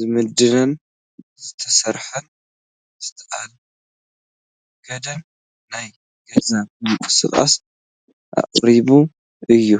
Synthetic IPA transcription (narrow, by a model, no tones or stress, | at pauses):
zɨmɨd̪ɨnɐn | zɨt̪ʰɐsɐɾħɨn | zɨ̥t̪ʰɐʔa̰l | ɡ̥ɐd̪ɐnː | aj | ɡ̥ɐzaβmɨmkʼɨ̥sɨ̰χʼa̰s | ʔa̰ʔʼɾiβu | ɨjːu